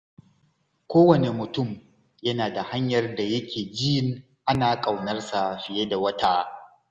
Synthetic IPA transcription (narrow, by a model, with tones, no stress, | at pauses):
kʷoː˦wɐ˨ne˨mʊ˨tʊ˦m | jɐ˦naː˨da˨ha˦ɲjɐ˨rda˨jɐ˦kʲeː˨d͡ʒɪ˦jɪ˦ŋ | ʔa˦naː˨kʼa˨wnɐ˦rsa˨ɸɪ˨je˦da˨wɐ˦taː˦